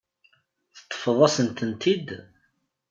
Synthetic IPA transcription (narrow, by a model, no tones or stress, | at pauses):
θə̥t̪ˤːə̥fəðˤæsənt̪ənt̪id̪